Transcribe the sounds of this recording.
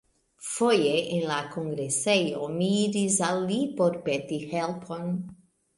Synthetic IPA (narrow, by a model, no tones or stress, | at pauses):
fojeʔenlakoŋɡɾesejomiːɾisalːipoɾpetihelpʰon